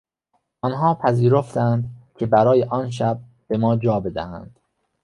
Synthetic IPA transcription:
ʔɒnɦɒːpʰæziːɾoft̪ænd̪cʲʰe̞bæɾɒːjeʔɒːnʃ̬æb̚ | b̥e̞mɒːd͡ʒɒːbe̞d̪æ̰hæ̰nd̪̥

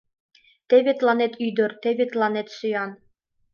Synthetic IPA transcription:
t̪eβet̪lˠɑnet̪yjd̪ɘ̆rt̪eβʲet̪lˠɑnet̪syjɑn

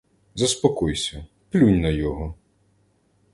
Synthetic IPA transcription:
zɐspɔkɔjsʲɐ | plʲunʲnɐjɔɦɔ

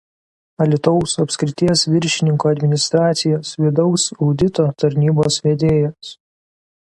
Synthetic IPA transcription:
ɐlʲɪt̪ɔʊsɐpʲsʲkʲɾʲɪt̪ʲiɛsʋʲɪɾʲʃʲɪnʲɪŋkoːɐd̪ʲmʲɪnʲɪst̪ɾɑːt̪sʲɪjoːsʋʲɪd̪ɒʊsɒʊd̪ʲɪt̪oːt̪ɐɾʲnʲiːboːsʋʲed̪ʲeːjɛs

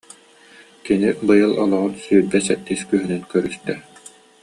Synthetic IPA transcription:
kinibɯjɯlˠɔ̰lˠɔʁɔnsyːɾb̪ɛsɛt̪ːiskyːɦynynkœɾyst̪ɛ

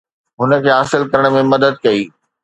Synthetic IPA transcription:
ɦʊnə̆kʰeːɦaːsɪlkɐɾəɽ̃mẽmɐd̪əd̪̚kɐiː

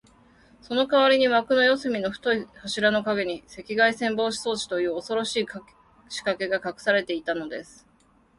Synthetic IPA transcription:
so̞no̞kaβ̞aɾʲiɲ̟iβakɯ̟no̞jo̞sɨmʲino̞ɸɯ̟̥t̪oihaɕiɾano̞kaɡe̞ɲ̟ise̞kʲiɡaisẽ̞mbo̞ːɕi̥so̞ːt͡ɕi̥t̪o̞jɯ̟ːoso̞ɾo̞ɕiːk | ɕi̥kake̞ɡakakɯ̟saɾe̞t̪e̞it̪ano̞d̪e̞sɨ̥

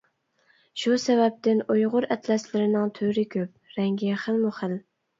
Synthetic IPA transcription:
ʃusɛvɛp̚t̪ɪnujʁʊɾɛt̪ʰlɛslɪɾɪnɪŋt̪ʰøɾɪkʲʰøp̚ɾɛŋɡʲɪχəlmʊχəl

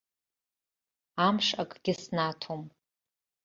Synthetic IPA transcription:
amʂakʼɡ̥ʲɪsnatʰom

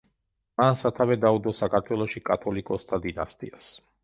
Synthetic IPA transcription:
mansat̪ʰavɛd̪aud̪ɔsakʰaɾt̪ʰwɛlˠɔʃikʼat̪ʰɔlikʼɔsd̪ad̪ina̰st̪ʼḭas

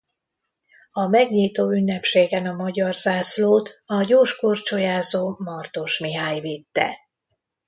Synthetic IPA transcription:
ɒmɛɡɲiːt̪oːynːɛpʃeːɡɛnɒmɒɟɒrzaːsloːt̪ɒɟoːʃkort͡ʃojaːzoːmɒrt̪o̞ʃmiɦaːjvit̪ːɛ̰

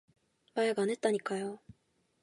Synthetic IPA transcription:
maɡane̞t̚t͈aɲik͈ajo

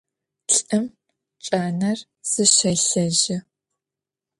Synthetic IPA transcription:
ɬʼɨm | ʈ͡ʂʼaːnɐr | z̥ɨʃɐɬɐʒɪ

